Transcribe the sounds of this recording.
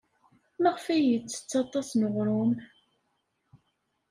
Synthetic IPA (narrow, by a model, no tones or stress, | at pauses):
mæʁfæjət͡sːə̥t͡sːɑt̪ˤɑsnəʁɾʊm